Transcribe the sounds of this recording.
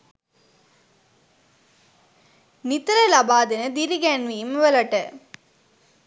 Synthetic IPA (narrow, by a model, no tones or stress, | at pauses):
nit̪ɾɐlɐbaːd̪enəd̪iɾiɡɛnʋiːmʋəlɐʈə